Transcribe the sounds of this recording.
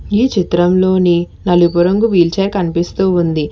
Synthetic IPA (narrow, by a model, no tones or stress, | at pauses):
iːt͡ʃit̪ɾɐmlo̞ːni | nɐlupuɾɐŋɡuʋiːlt͡ʃeːkɐnipist̪uːund̪i